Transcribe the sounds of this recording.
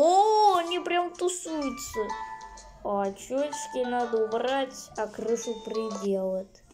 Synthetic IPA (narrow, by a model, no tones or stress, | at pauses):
oɐnʲipɾʲamt̪ʊsujʊt̪sə | ɐt͡ɕot͡ɕkʲɪnad̪əʊbratʲɐkrɨʂɨpɾʲɪdʲelˠət̪